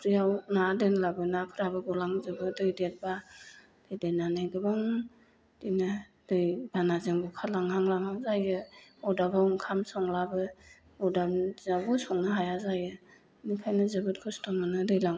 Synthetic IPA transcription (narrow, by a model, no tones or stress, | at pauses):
pʰɾijawnadɯnlabɯnapʰɯɾabɯɡɔlaŋzɯbɯdɯjdet̚ba | d̥ɯjdenanajɡɯbaŋ | d̥inɯ | d̥ɯjbanazɯŋbukʰalaŋhaŋlaŋazajɯɔdabawŋkʰamsɔŋlabɯ | ɔdamzawbɔsɔŋnɯɦajazajɯ | nikʰajnɯzɯbɯt̚kʰɔstʰɔmɯnɯdɯjlaŋ